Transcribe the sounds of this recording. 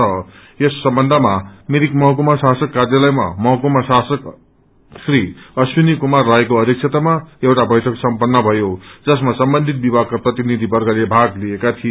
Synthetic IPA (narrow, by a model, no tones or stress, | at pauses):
ʌ | jesːʌmbʌnd̪ʱʌmameɾikmʌɦʌk̬umasasʌkːarjalʌjmamʌɦʌkumasasʌk | sriʌswinikumarːaɦekoʌd̪ik̚t͡sʰet̪amaewʈabʌjʈʰʌksʌmpʌnːʌbʱʌjod͡zʌsmasʌmbʌnd̪ʱit̪̚bibʱaɡ̚kaprʌt̪inid̪ʱibʌrɡʌlebʱaɡliekat̪ʰie